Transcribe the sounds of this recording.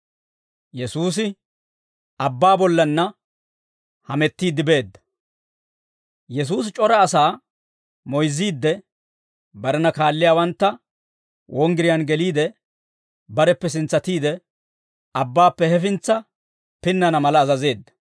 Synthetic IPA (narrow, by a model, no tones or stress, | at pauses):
jɛsuːs̬ɪ | ɐbːaːbɔlːɐnːɐ | hɐmɛt̪ːiːd̪ːɪbe̞ːd̪ːɐ̥ | jɛs̬uːs̬t͡ʃʼɔɾɐːsaː | mɔjzːiːd̪ːɛ | bɐɾɛnɐkaːlːɪjaːwɐnt̪ːɐ | wʔɔŋɡɪɾɪjanɡɛliːd̪ɛ | bɐɾɛpːɛs̬ɪnt͡sːɐt̪iːd̪ɛ | ɐbːaːpːɛhɛfɪnt͡sːɐ | pɪnːɐnɐmɐlɐːzɐze̞ːd̪ːɐ̥